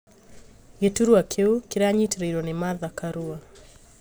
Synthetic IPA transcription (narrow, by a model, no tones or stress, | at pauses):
jɛtuɾuakʰeukiɾaɲitɾeiɾɔnimaðakaɾua